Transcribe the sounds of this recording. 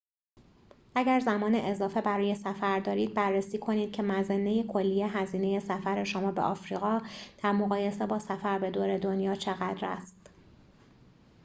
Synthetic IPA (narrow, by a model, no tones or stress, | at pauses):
ʔæɟæɾzæmɒːneʔezɒːfe̞bæɾɒːje̞sæfæɾd̪ɒːɾiːd̪̚bærːesiːkʰo̞niːd̪̥̚cʰe̞mæzenːejekʰo̞lːijeɦæziːne̞je̞sæfæɾe̞ʃomɒːbeʔɒfɾiːɣɒːd̪̥æɾmo̞ɣɒːje̞se̞bɒːsæfæɾbe̞d̪oːɾe̞d̪o̞njɒːt͡ʃʰe̞ɣæd̪ɾæ̰st̪